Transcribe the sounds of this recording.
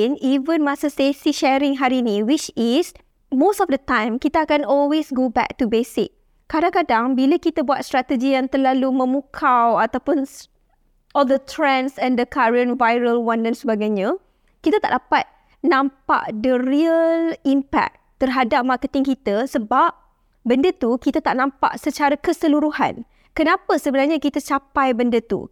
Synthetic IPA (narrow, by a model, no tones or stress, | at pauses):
nivə̃nmasəsesiʃɛɾɪ̃ŋɦaɾinĩwit͡ʃis | mostɔfdət̪ãjmkit̪aakanɔlwesɡobɛ̰k̚tubesɪk̚ː | adãŋkadaŋbiləkit̪abuat̪̚st̪ɾat̪əd͡ʒijãŋt̪ərlalumə̃mukʰawat̪awpʊn | ʔɔldət̪ʰɾɛ̃nsɛ̃ndəkʰaɹə̃nvajɾəlwãndɛnsəbaɡajɲã | kit̪ət̪aʔdapat̪̚ | nãmpa̰ʔdəɾiəlimpɛ̰k̚t̪ːərɦadap̚markət̪ɪŋkit̪əsəbap̚ | bəndət̪ukit̪at̪aʔnãmpa̰ʔsət͡ʃaɾakəsəluɾuha̰n | kənãpəsəbənarɲãkit̪ət͡ʃapajbəndət̪ṵ